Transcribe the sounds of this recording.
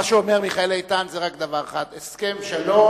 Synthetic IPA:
aʃuomeʁmiχaelait̪anzeʁakd̪avaʁaχad̪eskemʃelo

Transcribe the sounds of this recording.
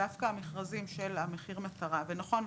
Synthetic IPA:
afkaːmeχʁazimʃelame̞χiʁmat̪aʁavenaχo̞n

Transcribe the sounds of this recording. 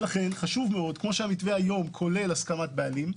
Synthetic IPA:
laχe̞nχaʃuvmeo̞d̪kmo̞ʃeamit̪ve̞hajo̞mkʰo̞le̞laskamat̪̚bealim

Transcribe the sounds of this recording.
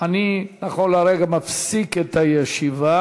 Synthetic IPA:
aninaχonlaɾeɡamafsiket̪ajeʃiva

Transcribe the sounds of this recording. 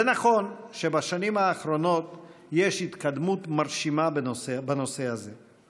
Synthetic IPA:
zenaχo̞nʃebaʃanimaːχɾo̞no̞t̪je̞ʃhit̪kad̪mut̪maɾʃimabbano̞sehaze

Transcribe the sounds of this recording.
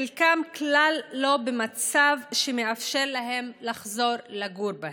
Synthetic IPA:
lkamklalːo̞bemat͡savʃemeafʃeʁlaɦe̞mlaχzo̞ɾlaɡuɾbah

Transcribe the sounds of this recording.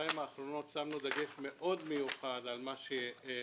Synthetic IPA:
imaːχɾo̞no̞t̪samnud̪aɡe̞ʃme̞ʔo̞d̪mejuχad̪almaʃe

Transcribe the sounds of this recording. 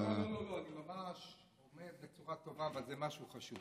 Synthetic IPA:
nololoanimamaʃ | omeʁbet͡suʁat̪o̞vaːvalzemaʃuχaʃuv

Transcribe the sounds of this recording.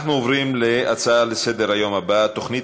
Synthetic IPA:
χnuovʁimleʔat͡saalesed̪eʁhajo̞mhabat̪o̞χni

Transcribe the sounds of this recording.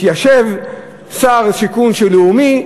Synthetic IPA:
jaʃev | saʁsikunʃeleumi

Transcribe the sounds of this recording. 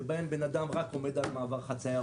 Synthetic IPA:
baembenad̪amʁako̞med̪almaːvaʁχat͡saja

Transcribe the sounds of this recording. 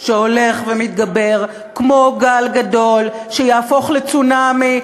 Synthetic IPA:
ʃeho̞le̞χvemit̪ɡabeʁ | kmo̞ɡalɡad̪o̞l | ʃejaːfo̞χlet͡sunami

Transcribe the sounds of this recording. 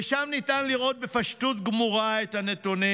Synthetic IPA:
eʃamnitanliʁo̞t̪̚befaʃtut̪ɡmuʁaet̪hanet̪uni

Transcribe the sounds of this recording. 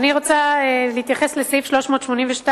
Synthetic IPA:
niʁo̞t͡saelihit̪jaχe̞sleslifʃlo̞ʃmo̞ːtʃmo̞niɱveʃta

